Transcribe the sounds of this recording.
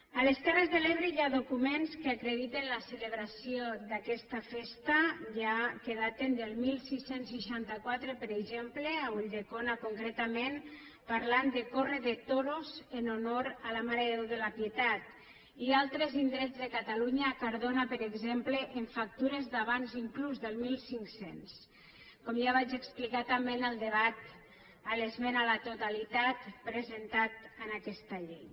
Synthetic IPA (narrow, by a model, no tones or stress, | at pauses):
aleskɛrezðeleβɾejaðokumenskeakɾeðit̪enlaseleβɾasiod̪akɛst̪afest̪aʒakeð̞at̪end̪elˠmilˠsisensːiʃant̪akwat̪ɾepeɾeɡʒempleauʎd̪ekonakoŋkɾet̪amẽn | paɾland̪ekoreðet̪oɾozenonoɾalamaɾeðoðelapjet̪at̪̚ | ialˠt̪ɾezind̪ɾɛzðekat̪aluɲakaɾðonapəɾeɡzempleʔeɱfak̚t̪uɾezd̪aβanziŋkluzðəlˠmilˠsiŋksens | kɔmʒaβad͡ʒeksplikat̪amenəlˠd̪eβat̪ | alezmenalat̪ot̪alit̪at̪pɾezent̪at̪̚ənakɛst̪aʎej